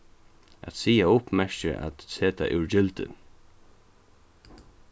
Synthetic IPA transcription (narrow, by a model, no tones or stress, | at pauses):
a̰t̪siːaʊpmɛɹt͡ʃəʔa̰t̪seːt̪ʰa̰ʔʉɹd͡ʒɪlt̪ɪ̰n